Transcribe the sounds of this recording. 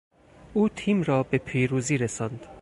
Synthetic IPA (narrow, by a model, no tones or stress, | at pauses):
ʔuːt̪ʰiːmɾɒːbe̞pʰiːɾuːziːɾesɒːnd̪̥